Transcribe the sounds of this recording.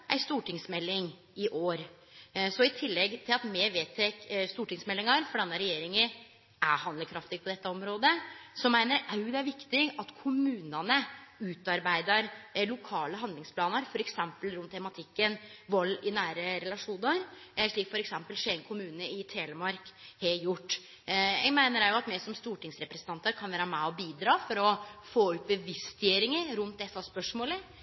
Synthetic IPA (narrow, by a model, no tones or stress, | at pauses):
ʔæ̰ɪst̪uːʈʰɪŋsmɛlːɪŋ | ɪʔoːɾ | sɔɪt̪ʰɪlːɛɡt̪ʰɪlɑt̪meːʋeːt̪ʰeːkst̪uːʈɪŋsmɛlːɪŋɑɾfɔɖɑnːəɾɛjeːɾɪŋə | ʔæhɑnd̪əɾkʰɾɑft̪ɪpɔd̪ɛt̪ːəɔmɾoːd̪əsɔmːæɪnəɾɑʉd̪æɾʋɪkt̪ɪɡɑt̪kʰʊmʉːnɑnəʉːt̪ɑɾbæɪd̪əɾlʊkʰɑːləɦɑnd̪lɪŋspʰlɑːnəɾfɔɾɛksɛmpəlɾʉnt̪ʰːɛmɑt̪ʰɪkːənʋɔlːɪnæːɾəɾɛlɑʂuːnəɾʂɭiːkfɔɾɛksɛmpəlʂɛɪŋkʰʊmʉːnəɪt̪ʰeːləmɑɾkheːljʊʈː | ɛɡmæɪnəɾæɾjʊɑt̪mɛsɔmst̪uːʈɪŋsɾɛpɾɛsənt̪ɑnt̪əɾkʰɑnʋæːɾəmæɔbiːd̪ɾɑːfɔɾɔfoːʉt̪̚bəʋɪst̪ɪeːɾɪŋəɾɾʉnt̪̚d̪ɛsːɑspœʂmoːlə